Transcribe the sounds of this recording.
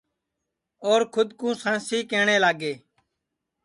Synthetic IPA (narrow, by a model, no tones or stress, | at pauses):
oːɾkʰʊd̪kũːsãːsiːkeːɳeːlaːɡeː